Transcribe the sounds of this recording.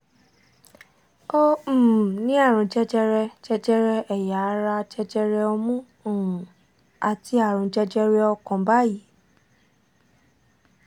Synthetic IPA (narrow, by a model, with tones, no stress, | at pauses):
o˦˨nĩ˦a˦˨ɾ̃ũ˨d͡ʒɛ˦d͡ʒɛ˧ɾɛ˧d͡ʒɛ˧d͡ʒɛ˦ɾɛ˧ɛ˨ja˨˦ɾa˧t͡ʃɛ˧d͡ʒɛ˧ɾɛ˧o˧mũ˦˨ | a˨ti˧a˦˨ɾ̃ũ˨d͡ʒɛ˧d͡ʒɛ˧ɾɛ˧ɔ˧kɔ̃˨ba˦ji˨˦